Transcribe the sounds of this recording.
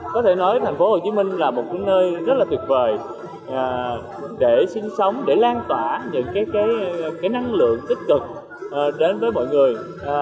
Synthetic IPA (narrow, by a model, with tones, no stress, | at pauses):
kɔ˨˦t̪ʰe˧˩nɔ˨˦jt̪ʰa˨˩jŋfo˨˦ho˨˩t͡ɕi˨˦mï˧ŋ̟laː˨˩mo˨˩t̚ka˨˦nəː˧jzə˦˥t̚laː˨˩t̪wi˨˩əvəː˨˩j | ʔː | ɗe˧˩sï˧ŋsə˨˦wŋ͡mɗe˧˩laː˧nt̪wa̰ː˧˨ɲə̰˧˨nkaː˨˦jkaː˨˦jkaː˨˦jna˧ŋlɨ̰˧˨əŋt̪ï˦˥k̟̚kɨ˨˩k̚ | ʔɗe˨˦nvəː˨˦jmɔ̰˧˨jŋɨ˨˩əj